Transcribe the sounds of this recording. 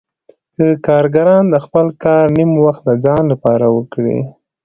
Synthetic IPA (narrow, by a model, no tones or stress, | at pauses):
kəkɑɾɡaɾɑnd̪əxpəlkɑɾnimwaxt̪̚d̪əd͡zɑnlapɑɾawəkɽḭ